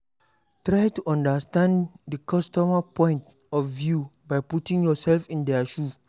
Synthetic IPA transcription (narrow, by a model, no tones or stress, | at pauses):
tɹajtuʔãndəstãnddəkʰɔstɔmapɔ̃j̃nt | ɔfvjubajputĩŋjɔsɛlfĩndɛaʃu